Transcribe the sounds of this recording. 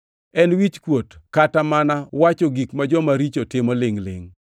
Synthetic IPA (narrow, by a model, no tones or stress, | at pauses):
ɛnwit͡ʃkwotkatamanawat͡ʃɔɡikmad͡ʒɔmaɾit͡ʃotɪmɔlɪŋlɪ̰ŋ